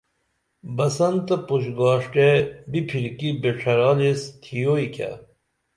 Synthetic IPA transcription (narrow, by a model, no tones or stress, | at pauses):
bɐsɐnt̪ɐpuɕɡaːʂʈebipʰiɾkibeʈ͡ʂʰɐɾɑːlist̪ʰijoikʲa̰